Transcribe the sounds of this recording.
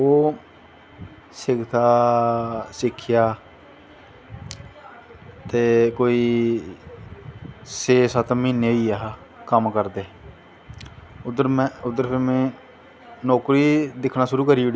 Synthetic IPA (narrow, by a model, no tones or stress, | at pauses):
oː | sɪɡt̪ʰaː | sɪkʰːjaː | t̪eːkoːiː | seːsət̪miːneiːaɦ | kəmkəɾd̪eː | ʊd̪əɾm̃ʊd̪ːəɾpɪmẽː | noːkɾiːd̪ɪkʰnaːʃʊɾuːkəɾiːɽ